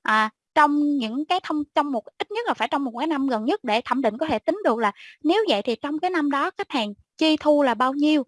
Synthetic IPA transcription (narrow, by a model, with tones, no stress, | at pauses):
ʔaː˨˩ | t͡ɕɔ˧wŋ͡mɲɨ̰˧˥ŋkaː˨˦jt̪ʰə˧wŋ͡mt͡ɕɔ˧wŋ͡mmo˨˩tʔi˦˥t̚ɲə˦˥t̚laː˨˩faː˧˩jt͡ɕɔ˧wŋ͡mmo˨˩kaː˨˦jna˧mɣə˨˩nɲə˦˥t̚ɗe˧˩t̪ʰə̰˧˩mɗḭ̈˧˨ŋkɔ˨˦t̪ʰe˧˩t̪ï˨˦ŋ̟ɗɨ˨˩ək̚laː˨˩ne˨˦wvə̰˧˨jt̪ʰi˨˩t͡ɕɔ˧wŋ͡mkaː˨˦jna˧mɗɔ˨˦ka˦˥jk̚haː˨˩ŋ | t͡ɕi˧t̪ʰu˧laː˨˩ɓaː˧wɲi˧əw